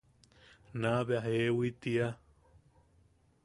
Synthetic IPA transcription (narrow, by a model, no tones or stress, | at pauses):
naβeaɦewit̪ia